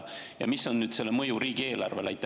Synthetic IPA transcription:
jɑ̰misːo̞nːyːd̪̥se̞lːemɤjuɾiːɡ̥ie̞ːlɑ̰rve̞læ̰jt̪ː

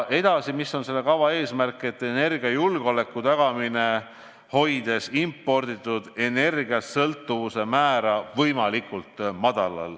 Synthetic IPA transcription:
ʔe̞d̪̥ɑsimisːo̞nse̞lːe̞kɑvɑe̞ːsmærkːˑet̪ːˑene̞rɡ̥iɑjulɡ̥eo̞le̞kːˑut̪ɑɡ̥ɑmine̞ | ho̞jd̪̥e̞simpːˑo̞rd̪it̪ːˑud̪̥e̞ne̞rɡiɑssɤlt̪ːˑuvuse̞mæːɾɑvɤjmɑlikːˑult̪mɑd̪̥ɑlɑ̰l

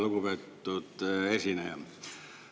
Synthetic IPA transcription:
lukupet̪ːut̪esinæjɑ

